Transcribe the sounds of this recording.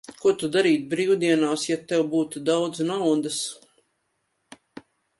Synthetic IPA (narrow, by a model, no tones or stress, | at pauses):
kuɔt̪ud̪aɾiːt̪̚bɾiːwd̪iɛnaːsjat̪ɛwbuːt̪ud̪awd̪znawd̪as